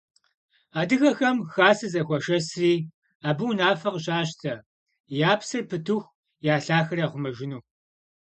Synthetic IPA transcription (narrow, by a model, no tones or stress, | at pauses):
aːdɨxɐxɐmxaːsɨzɐxʷɔʃɐsriː | aːbɨwnaːfɐqɕaːɕtʰɐ | jaːpsɨrpʰɨtʰuxʷ | jaːɬaːxɐraʁʷʊmɐʒɪnuː